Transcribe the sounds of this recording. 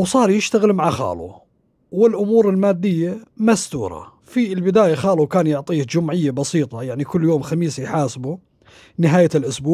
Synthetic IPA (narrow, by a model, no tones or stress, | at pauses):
wsˤɑːɾˤjɪʃt̪aɣɪlmaʕaxa̰ːlṵ | wɪlʔʊmuːɾɪlmaːd̪ːɪjːamast̪uːɾˤɑ̰ | filbɪd̪aːjaxɑːlukaːnjʊʕt̪ˤiːhd͡ʒʊmʕɪjːabɑsiːt̪ˤɑjaʕnikʊlːjoːmxamiːsjħaːsbu | nɪɦaːjalʔʊsbuːʕ